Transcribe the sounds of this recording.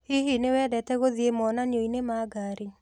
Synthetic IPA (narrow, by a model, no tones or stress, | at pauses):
hiɦinewɛdɛtɛɣoðjemɔnanjoinemaɡaɾi